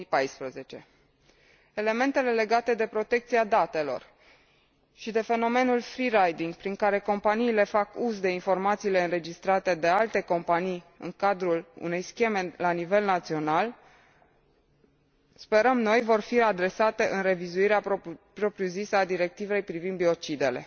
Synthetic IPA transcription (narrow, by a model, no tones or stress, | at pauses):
pajspɾəze̞t͡ʃe̞ | e̞le̞me̞nt̪e̞le̞le̞ɡat̪e̞d̪e̞pɾo̞t̪e̞k̚t̪siad̪at̪e̞lo̞̰r | ʃid̪e̞fe̞no̞me̞nulfɾiɾajd̪iŋɡpɾiŋkaɾe̞ko̞mpaniːle̞fakuzd̪e̞info̞rmat̪siːle̞ɨnɾe̞d͡ʒist̪ɾat̪e̞d̪e̞alt̪e̞ko̞mpanij | ɨ̰ŋkad̪ɾulṵne̞jskʲe̞me̞lanive̞lnat̪sio̞nal | spe̞ɾəmno̞jvo̞rfiad̪ɾe̞sat̪e̞ʔɨnre̞vizuiɾeapɾo̞pɾiuzisad̪iɾe̞k̚t̪ive̞jpɾivind̪bio̞t͡ʃid̪e̞le̞̰